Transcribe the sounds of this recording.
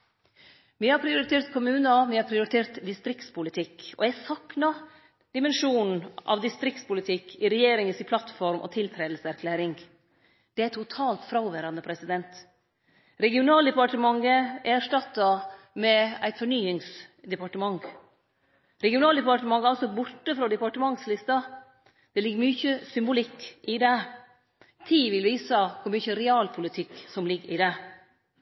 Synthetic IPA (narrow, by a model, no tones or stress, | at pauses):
mihɑɾpʰɾɪʊɾɪt̪ʰeːɾt̪kʰʊmʉːnɑʋɪhɑɾpʰɾɪʊɾɪt̪ʰeːɾt̪d̪ɪst̪ɾɪkt̪spʊlɪt̪ʰɪkɔ̰æsɑknɑ | d̪̥ɪmɛnʂuːnn̩ʔɑ̰ʋd̪ɪst̪ɾɪk̚t̪spʊlɪt̪ʰɪkʰːɪɾɛjeːɾɪŋəsɪpʰlɑt̪fɔɾmʔɔ̰t̪ʰɪlt̪ʰɾeːd̪l̩səæɾkʰlæːɾɪŋ | d̪̥ɛæɾɪt̪ʰːʊt̪ʰɑːlt̪fɾɑʊʋæɾɑnəpʰɾɛsɪd̪ɛnt̪ | ɾɛɡɪʊnɑːld̪ɛpɑʈəmɑŋːəʔæʂʈɑt̪ːɑ | mɛæɪt̪fɔɳyːɪŋsd̪ɛpɑʈəmɑŋ | ɾɛɡɪʊnɑːld̪ɛpɑʈəmɑŋəɑlsɔbʊʈːəfɾɔːd̪ɛpɑʈəmɑŋslɪst̪ɑ | d̪̥ɛlɪɡːəɾmyːçəsʏmbʊlɪkːʔɪd̪e | t̪ʰiːʋɪlʋiːsəkʰʊɾmyːçəɾɛɑːlpʰʊlɪt̪ʰɪkːsɔmlɪɡɪd̪ɛ